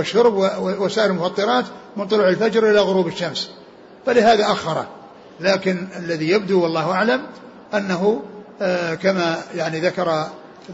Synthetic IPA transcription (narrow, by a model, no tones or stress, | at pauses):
ɪʃːʊɾbwwasaːʔɪɾɪlmʊfɑt̪ˤːɨɾˤɑːt̪mɪnt̪ˤʊlʊʕɪlfad͡ʒɾʔɪlaɣʊɾuːbɪʃːams | falɪɦaːðaʔaxːɑɾˤɑ | laːkɪnalːaðijab̚d̪uwɑlˤːɑːhʔaʕlam | ʔanːaɦu | kamajaʕniðakɑɾˤ